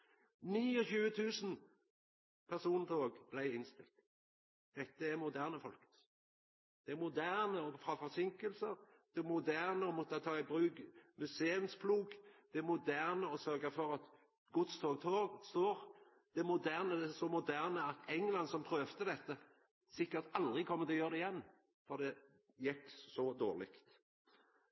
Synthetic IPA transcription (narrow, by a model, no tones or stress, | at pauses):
niːɔçʉːət̪ʰʉːsn̩ | pʰæʁsuːnt̪ʰoːɡb̥læɪɪnst̪ɪlt̪ | d̪̥ɛt̪ːəæmʊd̪æːʁnəfɔlkə̥ | d̪̥ɛæɾmʊd̪æʁnəɔfɾɑːfɔsɪŋkəlsəʁd̪̥ɛmʊd̪æʁnəɔmɔt̪ːəɑt̪ʰɑːɪbʁʉːɡmʉseːʉmspʰluːɡd̪̥ɛːmʊd̪æʁnəɔsœʁɡəfɔɾɑt̪ | ɡʊt̪st̪ʰoːɡt̪ʰoːɡst̪oːɾ | d̪̥ɛːmʊd̪æʁnəd̪ɛsɔmʊd̪æʁnəɑt̪ɛŋlɑnsɔmpʰʁɾøːʋt̪əd̪ɛt̪ːə | sɪkːəɾt̪ɑld̪ʁɪkʰɔmːət̪ʰlɔjøːʁd̪ɛɪjɛnː | fɔʁd̪ɛ | jɛksɔd̪oːʁlɪ̰kt̪